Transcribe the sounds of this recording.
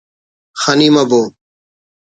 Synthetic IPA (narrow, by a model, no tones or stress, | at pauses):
xaniːmaboː